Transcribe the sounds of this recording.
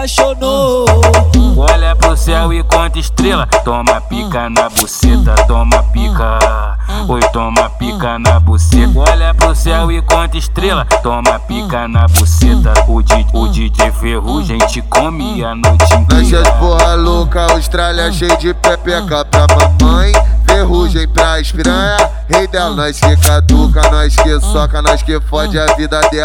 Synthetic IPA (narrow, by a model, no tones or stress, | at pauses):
aʃono | ɔlɐpɾʊsɛwikõt̪ɪʃt̪ɾelɐt̪õmɐpikɐnɐboset̪ɐt̪õmɐpikɐ | ot̪õmɐpikɐnɐboset̪ɔlɐpɾʊsɛwɪkõt̪ɪʃt̪ɾelɐt̪õmɐpikɐnɐboset̪ɐʊd͡ʒiʊd͡ʒid͡ʒɪfeɦuʒẽj̃t͡ʃɪkomɪɐnõw̃t͡ʃĩnɐ̃ʃiɐd͡ʒpoɦɐlokɐawʃt̪ɾalɐʃejd͡ʒɪpepekapɾɐpɐ̃pɐ̃j̃feɦuʒẽj̃pɾɐɪʃpɾɐ̃jɐ | hejd̪ɛlnɐ̃w̃ʃkekad̪ukɐnɐ̃w̃ɪʃkesɔkɐnɐ̃ʃkefɔd͡ʒɪɐvid̪ɐd̪ɛ